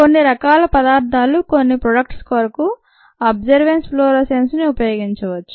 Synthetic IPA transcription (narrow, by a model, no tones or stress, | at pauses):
onːiɾɐkaːlɐpɐd̪aːɾt̪ʰaːluko̞nːipɾoɖɐk̚ʈskoɾɐku | ɐbd͡ʒɐɾʋensploːɾɐsensniupɐjoːɡiɲt͡ʃɐʋɐt͡ʃːu̥